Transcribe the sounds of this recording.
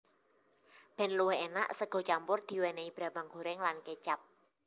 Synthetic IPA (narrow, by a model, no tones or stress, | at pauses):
b̥ɛ̤nluwɛɦena̰ʔsəɡ̥ɔ̤t͡ʃampʊrd̪̥i̤weneib̥ɾa̤baŋɡo̤ɾɛŋlanket͡ʃap̚